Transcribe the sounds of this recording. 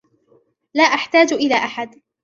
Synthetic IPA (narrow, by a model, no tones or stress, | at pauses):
laːʔaħt̪aːd͡ʒʔɪlaːʔaħad̪